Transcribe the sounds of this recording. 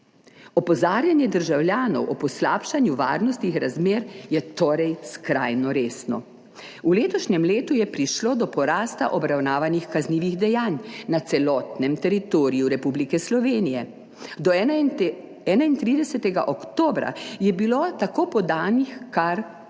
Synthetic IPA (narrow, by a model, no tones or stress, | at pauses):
ɔpɔzaːɾjanjɛd̪əɾʒawljaːnɔ̰wʔɔpɔslaːpʃanjuʋa̰ːɾnɔst̪nixɾazmeːɾjɛt̪oːɾɛjskɾa̰jnɔɾeːsnɔ̰ | uleːt̪ɔʃɲɛmleːt̪ujɛpɾiʃloːd̪ɔpɔɾaːst̪a̰ʔɔbɾawnaːʋanixkazniːʋiɣd̪ɛjaːnnat̪sɛlɔːt̪nɛmt̪ɛɾit̪oːɾijuɾɛpublikɛslɔʋeːnijɛ | d̪ɔ | ɛːnaint̪ɾiːd̪ɛsɛt̪ɛɡa̰ʔɔkt̪oːbɾa̰jɛbilot̪akoːpɔd̪aːnixkaɾ